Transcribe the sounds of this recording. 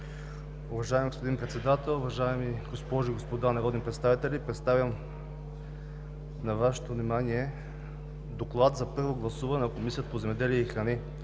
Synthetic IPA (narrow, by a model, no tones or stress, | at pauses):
ʊvɐʒaɛmɡospod̪inpɾɛt̪sɛd̪at̪ɛlˠʊvɐʒaɛmiɡospɔʒoiɡospod̪anɐɾɔd̪ʲnipɾɛt̪st̪avit̪ɛlʲipɾɛt̪st̪avʲjəm | nɐvaʃɛ̥t̪ovnimaniɛ | d̪oklˠat̪zɐpɤɾvoɡlˠɐsuvɐnɛnɐkomisiət̪əpozɛmɛd̪ɛliɛixɾɐni